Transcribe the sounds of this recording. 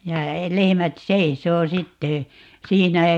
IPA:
jɑ lehĕmæt seisoː sitːe siːnæ

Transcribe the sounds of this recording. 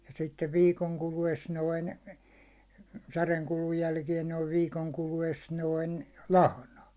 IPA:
jɑ sitːeʋ ʋiːkoŋ kulues noin særeŋ kulun jælkiɛn noiʋ ʋiːkoŋ kulues noin lɑhnɑ

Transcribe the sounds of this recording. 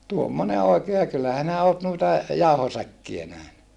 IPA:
tuomːone oˑikeː jɑ kylːæ hinæ oːt nuitɑ jɑuhosækːiæ næhny

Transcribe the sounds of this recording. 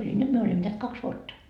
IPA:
olʲi nyt myø olʲimːo neæt kɑks ʋuotːɑ

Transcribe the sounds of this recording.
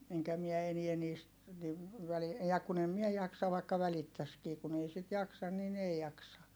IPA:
eŋkæ miɛ eniæ niːst niʋ ʋæli jɑ kun em mie jɑksɑ ʋɑikːɑ ʋælitːæskiː kun ei sit jɑksɑn nin ei jɑksɑ

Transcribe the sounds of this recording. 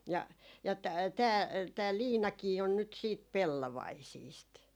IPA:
jɑ jɑ tæː tæː liːnɑkiː on nyt siːt pelːoʋɑisiːst

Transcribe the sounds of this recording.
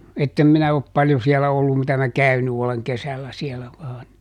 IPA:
etːem minæ op pɑljo siɛlæ olːum mitæ mæ kæyny oleŋ kesælːæ siɛlæ ʋɑːn

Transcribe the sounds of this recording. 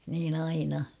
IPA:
niːn ɑinɑ

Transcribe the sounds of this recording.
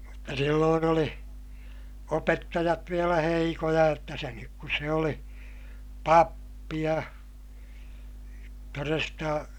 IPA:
mutːɑ silːoːn oli opetːɑjɑt ʋielæ heikojɑ jotːɑ seŋkik kus se oli pɑpːi jɑ torestɑ

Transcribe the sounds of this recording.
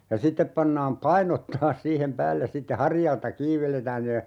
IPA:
jɑ sitːep pɑnːɑːm pɑinot tɑːs siːhem pæːlːes sitːe hɑrjɑltɑ kiːʋ ʋeletæːn ne

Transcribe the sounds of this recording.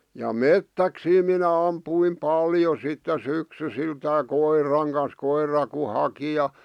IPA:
jɑ metːæksiː minæ ɑmpuim pɑljo sitːe syksysiltæː koirˑɑŋ kɑns koirˑɑ ku hɑki jɑ

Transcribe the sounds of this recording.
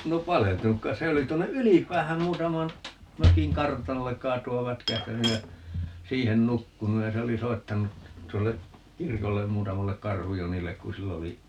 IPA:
no pɑleltunuk kɑis se olis tuonːe ylipˑæːhæm muːtɑmɑn møkiŋ kɑrtɑnolːek kɑːtuɑʋ ʋætkæhtænyj jɑ siːhen nukːunuj jɑ se oli soitːɑnu tuolːe kirkolːem muːtɑmɑlːek kɑrhujonilːek ku silː oli

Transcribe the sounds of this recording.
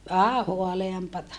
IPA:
ʋæhæ hoɑleɑmpɑtɑ

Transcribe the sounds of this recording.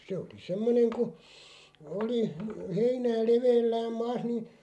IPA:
se oli semːoneŋ ku oli heinæː leʋeːlːæːm mɑːs ni

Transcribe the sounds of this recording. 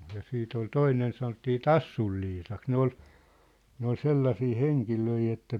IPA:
jɑ siːt ol toinen sɑnotːiː tɑsːul liːsɑks ne ol ne ol selːɑsiː heŋkiløi etːæ

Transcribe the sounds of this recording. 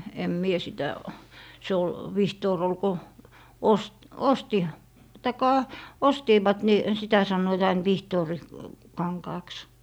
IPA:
em mie sitæ se ol ʋihtoːr ol ko os osti tɑikːɑ ostiːʋɑt ni sitæ sɑnːoit ɑin ʋihtoːri kɑŋkɑːks

